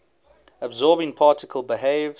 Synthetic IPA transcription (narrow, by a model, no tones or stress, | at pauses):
əbzɔːbɪ̃ŋpʰɑˑtɪkʰəlˠbɪɦeɪv